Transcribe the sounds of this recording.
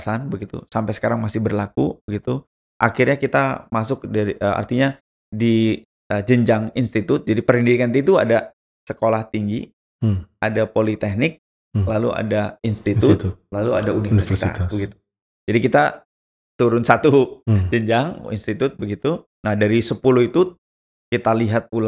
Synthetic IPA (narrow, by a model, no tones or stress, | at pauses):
sanbəɡit̪ṵsampɛjsə̥kaɾaŋmasɪhbərlakubəɡit̪u | ʔakirɲakit̪amasʊk̚daɾiʔəa̰rt̪iɲa | di | əd͡ʒəɲd͡ʒaŋinst̪it̪ʊt̪̚d͡ʒadipəɾindiɾikant̪it̪ua̰da | səkolaht̪iŋɡi | ʔadapolit̪ɛh̚nɪk̚ | lalua̰dainst̪it̪ʊt̪lalua̰daunirsfsa̰bəɡit̪u̥ | d͡ʒadikit̪a | t̪uɾʊnsat̪ud͡ʒəɲd͡ʒaŋḭnst̪it̪ʊt̪̚bəɡit̪u | nahdaɾisəpulʊhit̪u | kit̪aliɦat̪̚pul